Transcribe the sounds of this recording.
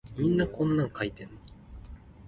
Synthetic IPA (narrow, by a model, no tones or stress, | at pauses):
mʲĩnːakʰõ̞nːãŋkʰait̪en